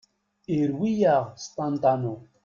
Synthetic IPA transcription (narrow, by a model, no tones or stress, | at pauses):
eɾwijaʁst̪ant̪ano